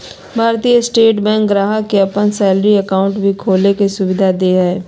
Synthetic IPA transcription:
bʱaːɾt̪ijəsʈeːʈbɛ̃ːŋkɾaːɦəkeɐpənsɛːlɾiəkaːʊ̃ɳʈbʱikʰoːlekesʊʋɪd̪ʱad̪eːɦɛː

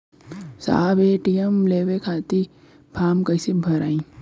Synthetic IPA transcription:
sa̰ːbeʈijemleːʋekʰaːt̪i | bʰʱaːmkəɪsibʱɐɾaːĩː

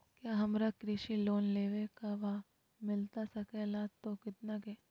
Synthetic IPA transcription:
kjaːɦɐmɾakɾɪʃiloːnleːʋekaʋaː | mɪlt̪asɐkɛlaːt̪ːokɪt̪nakeː

